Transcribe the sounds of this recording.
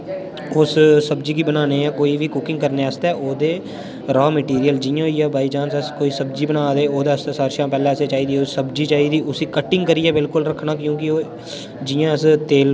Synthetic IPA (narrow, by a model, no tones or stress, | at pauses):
ʊssəbd͡ʒiːkiːbənaːneːãːkoːiːʋiːkʊkɪ̃ŋɡ̚kəɾneːəst̪ɛːʔoːd̪eː | ɾɔːmeʈiːɾijəld͡ʒɪjõːjaːbaːiːd͡ʒaːnsəskoːiːsəbd͡ʒiːbənaːd̪eːoːd̪eːəst̪ɛːsaːɾʃãːpɛːlɛ̃ːəseːt͡ʃaːiːd̪iːosəbd͡ʒiːt͡ʃaːiːd̪iːʔʊsiːkəʈːɪ̃ŋɡkəɾiːɛːbɪlkʊlɾəkʰnaːkjõːk̬ɪoː | d͡ʒɪjãːəst̪eːl